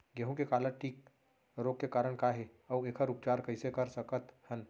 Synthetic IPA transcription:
ɡəɦõkekaːləʈʰiːk̚ | ɾoːɡ̚kːekaːɾəɽ̃kaːɦeɔːʋeːkʰəɾʊp̚t͡ʃaːɾkɐɦɪsekɐɾsəkət̪hən

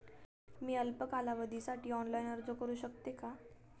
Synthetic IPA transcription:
miːəlpəkalaʋəd̪ʱisaʈʰiːɔnlajnəɾd͡zəkəɾuːɕəkt̪eka

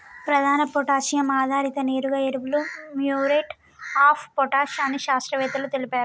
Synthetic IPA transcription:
pɾɐd̪ʱaːnɐpɔʈaːʃijɐmaːd̪ʱaːɾit̪ɐneːɾuɡaːeɾuʋulumjuːɾeʈ | aːpʰpɔʈaːʃaːniʃaːst̪ɾɐʋɛːt̪ɐlut̪elipaːɾu

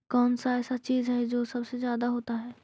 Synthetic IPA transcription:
kɔːnsaɛːsat͡ʃiːzɦɛd͡ʒoːsɐbsezjaːd̪aɦoːt̪aɦɛː

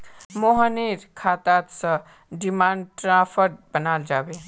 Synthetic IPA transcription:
moɦəniɾkʰat̪at̪sə̃ | ɖimanʈɾapʰəɾbənald͡ʒabe

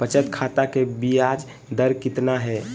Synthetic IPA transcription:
pət͡ʃət̪kʰat̪akebijad͡ʒ | d̪əɾkɪt̪naɦɛː

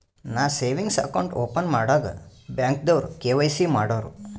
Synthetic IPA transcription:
naːseːʋiŋɡsɐ̰kɐwɳʈoːpɐnmaːɽaːɡɐ̰bjaːŋk̚d̪ɐʋɾukeːʋɐjsimaːɽoːɾu

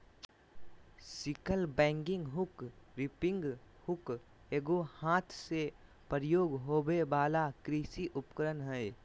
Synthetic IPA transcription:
sɪkəlbɛ̃ːŋɡɪ̃ŋɡɦʊkɾɪpɪ̃ŋɡ | hʊk | eːɡohãːt̪ʰse | pəɾjoːɡɦoːbebaːlakɾiːsiʔʊpkəɾənɦɛː

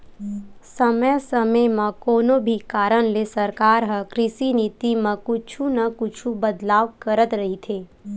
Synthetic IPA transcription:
səməjsəməjmãkoːnõbʱikaːɾəñlesɐɾkaːɾɦəkɾɪsinɪt̪imɐ̃kʊt͡ʃʰũnɐkʊt͡ʃʰubɐd̪laːʋkəɾət̪ɾɐɦit̪ʰeː

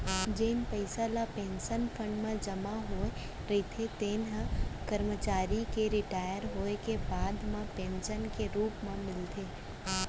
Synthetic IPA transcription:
d͡ʒeːnpəɪsalapẽːnʃənpʰə̃ɳɖmãd͡ʒɐmaɦoe | ɾɐit̪ʰet̪eːnɦãkəɾmət͡ʃaːɾikeɾɪʈaːjəɾɦoːekebaːd̪mãpẽːnʃənkeɾuːpmãmɪlt̪ʰeː

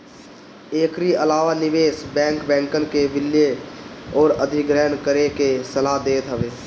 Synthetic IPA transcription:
eːkɾiəlaːʋanɪʋeːsbɛ̃ːŋkbɛ̃ːŋkənkeʋɪljeɔːɾəd̪ʱiɡɾɛːnkəɾekesəlaɦd̪eːt̪ɦəʋeː

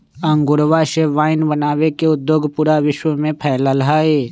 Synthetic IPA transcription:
ə̃ŋɡʊɾʋaʃeʋaːɪnbənaːwekeʊd̪joːɡpuːɾaʋɪʃwəmẽpʰɛːlalɦaːeː

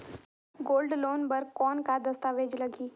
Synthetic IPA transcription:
ɡoːlɖloːnbɐɾkɔːnkad̪ɐst̪aːʋeːd͡ʒlɐɡiː

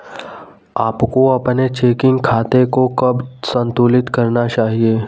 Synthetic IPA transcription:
aːpkoɐpnet͡ʃeːkɪ̃ŋɡkʰaːt̪ekokɐbsə̃nt̪uːlɪt̪kɐɾnat͡ʃaːɦieː

